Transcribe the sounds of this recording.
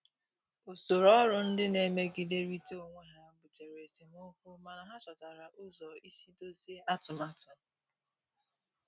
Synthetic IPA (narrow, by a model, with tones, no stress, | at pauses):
o˨so˨ɾɔ˦ɾʊ˨n̩˦dɪ˦ne˨me˦ɡɪ˨de˦ɾi˦to˦o˨ŋʷe˦ɦa˦˨ɡ͡bʊ˨t͡ʃe˨ɾe˨si˨mʊ˦hu˦ma˨na˨ɦa˦t͡ʃɔ˨ta˨ɾa˨ʔʊ˦zɔ˨i˦si˦do˦zi˦e˦ʔa˦tʊ˨m˦a˦tʊ˨m̩˨˦